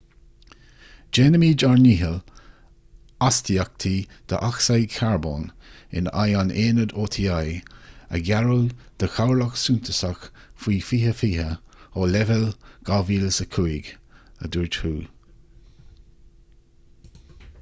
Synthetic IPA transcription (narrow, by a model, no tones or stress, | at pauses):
d͡ʒeːnəmiːd͡ʒaɹniːɦəl | ast̪iak̚t̪ʰiːd̪̥ə̰ʔaxsajkʰaɹbo̰ːn | ɪ̰na̰janeːnəd̪oːt̪ʰiːajə̰ɡaɹuːd̪̥əxawlaksuːnt̪ʰəsax | fiːfiːhəfiːɦəoːlɛvɛlɡ̥aːviːləsəkʰuiɡə̰d̪uɹd͡ʒhuː